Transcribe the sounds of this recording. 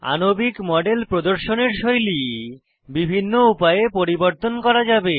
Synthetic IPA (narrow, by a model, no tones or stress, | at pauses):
a̰nobikmɔɖelpɾod̪oɾʃoneɾʃojli | bibʱinːoupajepoɾiboɾt̪onkɔɾad͡ʑabe